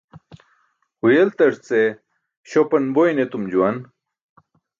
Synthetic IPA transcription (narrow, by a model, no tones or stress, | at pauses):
hujelt̪ɐʂt͡se | ɕopɐnbojnet̪umd͡ʑuwɐn